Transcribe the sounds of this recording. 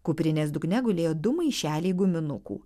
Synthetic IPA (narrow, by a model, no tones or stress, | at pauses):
kʊpʲɾʲɪnʲeːsd̪ʊknʲɛɡʊlʲeːjoːd̪ʊmɐɪʃʲæːlʲiɪɡʊmʲɪnʊkṵː